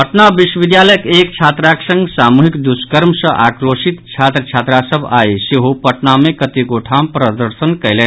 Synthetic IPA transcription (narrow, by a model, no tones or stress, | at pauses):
pəʈnaʋiʃwəʋid̪jaːləjəkeːk̚t͡ʃʰaːt̪ɾaksɐ̃ŋɡsamuɦikd̪uskəɾmsəʔakɾoʃit̪t͡ʃʰaːt̪ɾət͡ʃʰaːt̪ɾasəbʱaːjsiɦupɐʈnamẽkɐt̪iɡoʈʰampɾəd̪əɾʃənkɐjle